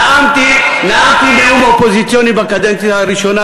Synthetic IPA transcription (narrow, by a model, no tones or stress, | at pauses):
amt̪inaat̪imɛumbaɔpɔzitiɔnibakad͡ʒɛntiaɾiʃɔna